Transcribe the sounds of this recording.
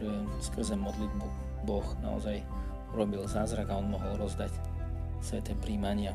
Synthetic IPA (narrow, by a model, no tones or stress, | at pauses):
ɛɛskr̩zɛmɔd̪lid̪̚bu | bɔxna̰ɔ̰zaj | ɾɔbilzaːzɾaɡaɔnmɔɦɔlˠɾɔzd̪ac | sʋɛt̪ɛpɾiːmaɲɪa